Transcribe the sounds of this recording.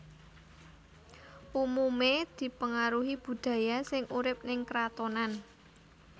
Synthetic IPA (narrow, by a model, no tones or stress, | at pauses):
ʔumumed̪̥i̤pəŋaɾuɦib̥ṳd̪̥ä̤jasɪŋuɾɪp̚nɪŋkɾat̪onan